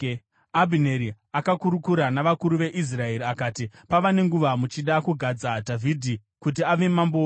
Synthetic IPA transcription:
abʱineɾi | akakuɾukuɾanaʋakuɾuʋe̞ʔis̬rae̞ɾiakaːtipaʋane̞ŋɡuʋamut͡ʃiɗakuɡʱad͡zadʱavʱidʱi | kut̬iaʋe̞mamboː

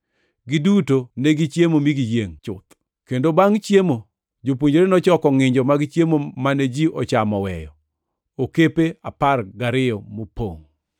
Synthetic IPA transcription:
ɡidutoneɡit͡ʃjemomiɡijeŋt͡ʃʊt̪ | kendobaŋt͡ʃjemo | d͡ʒop̬uɲd͡ʒoɾenɔt͡ʃɔkɔŋɪɲd͡ʒɔmaɡɪt͡ʃjemomaned͡ʒiʔɔt͡ʃamɔwɛjɔ̰ | okepeaparɡaɾɪɔmopo̰ŋ

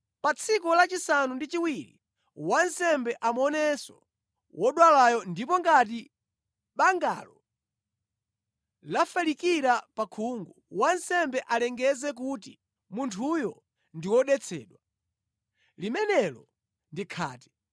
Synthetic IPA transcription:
pat͡sʰikɔlat͡ʃisanundit͡ʃiwiɾḭ | wansɛmbɛʔamɔnɛsɔ | wɔɗwalajɔndip̬ɔŋɡat̬i | ɓaŋɡa̰lɔ | lafalikiɾapakʰuŋɡuwansɛmbɛʔalɛŋɡɛzɛk̬uti | muntʰujɔ | ndiwɔɗɛt͡sʰɛ̰ːɗwa | limɛnɛlɔ | ndikʰa̰ːti̥

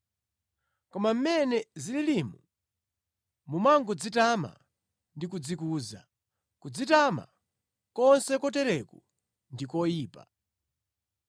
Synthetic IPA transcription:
kɔmam̩mɛnɛzililimu | mumaŋɡɔd͡zitama̰ | ndikud͡zikuːza̰ | kud͡zitama̰ | kɔnsɛkɔtɛɾɛku | ndikɔjiːpa̰

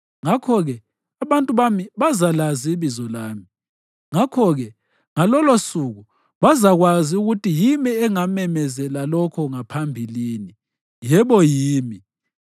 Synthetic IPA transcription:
ŋakʰɔɣɛ | aβantʼuβamiβazalaziβizɔlaːmi | ŋakʰɔɣɛ | ŋalɔlosuɣu | βazaɣwaziuɣutʰijimiɛŋamɛmɛzɛlalɔkʰɔŋapʰambʱiliːni | jɛβɔjiːmi

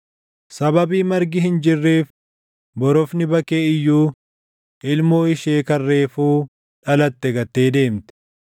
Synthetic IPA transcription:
sɐbɐbiːmɐɾɡɪɦɪnd͡ʒɪrːeːf | bɔɾɔfnɪbɐkeːɪjːuː | ʔɪlmoːɪʃe̞ːkɐrːe̞ːfuː | ᶑɐlɐt̪ːɛɡɐt̪ːe̞ːd̪e̞ːmt̪ɛ̥

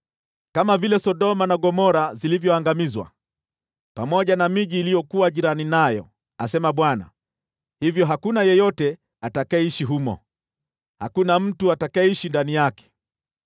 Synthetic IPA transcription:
kamavilɛsɔɗɔmanaɠɔmɔɾazilivjɔaŋɡamizwa̰ | pamɔʄanamiʄiːlijɔkuwaʄiɾaninajɔ̰ | asɛmaɓwana̰ | hivjɔɦakunajɛjɔtɛ | atakaɛiʃiɦumɔ̰ | hakunam̩tuatakaɛiʃindanijakɛ̥

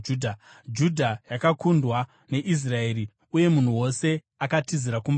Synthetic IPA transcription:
dʱa | d͡ʒudʱajakakundwa | ne̞ʔis̬rae̞ːɾi | uje̞mun̤uwo̞se̞ | akatiziɾakum

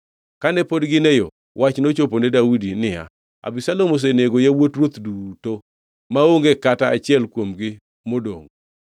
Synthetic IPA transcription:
kanɛpodɡɪnejo̰ | wʔat͡ʃnot͡ʃoponedawidinɪa̰ | a̰bisalomos̬eneɡojawotɾwot̪duto | maoŋɡekataa̰t͡ʃɪɛlkwomɡɪ | modo̰ŋ

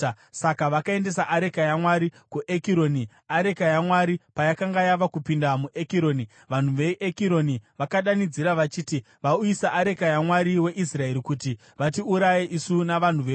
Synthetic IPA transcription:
sakaʋakae̞nde̞saʔaɾe̞kajamwaɾikuʔe̞kiɾo̞ni | aɾe̞kajamwaɾipajakaŋɡajaʋakupindamuʔe̞kiɾo̞ːni | ʋan̤uʋeʔekiɾo̞niʋakaɗanid͡ziɾaʋat͡ʃiːti | ʋauisaʔaɾe̞kajamwaɾiwe̞ʔisrae̞ɾikuti | ʋatiuɾajeʔisunaʋan̤uʋe

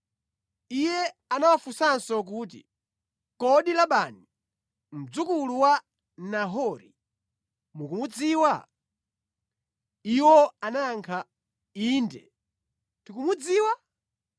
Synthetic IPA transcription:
ijɛanawafusansɔk̬uːt̬ḭ | kɔɗilaɓani | m̩d͡zukuluwa | naɦɔɾḭ | mukumud͡ziːwa | iwɔanaːŋkʰa | iːndɛ̰ | tikumud͡ziːwa

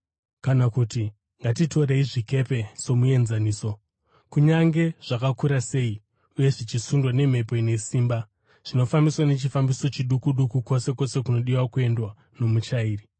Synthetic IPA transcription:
kanakuti | ŋɡatito̞ɾe̞iʐike̞pe̞so̞mue̞nzaniːso̞ | kuɲaŋɡe̞ʐ̥akakuɾase̞ːi | uje̞ʐit͡ʃisundwane̞m̤e̞po̞ine̞siːmba | ʐ̥ino̞fambiswane̞t͡ʃifambiso̞t͡ʃiɗukuɗukuko̞se̞ko̞se̞kuno̞ɗiwakue̞ndwa | no̞mut͡ʃaiːri

